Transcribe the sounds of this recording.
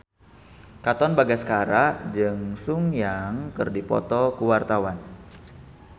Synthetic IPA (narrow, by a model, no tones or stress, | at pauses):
kat̪ɔnbaɡasə̥kaɾad͡ʒɨŋsuŋjaŋkɨrdipɔ̰t̪ɔkuwart̪awan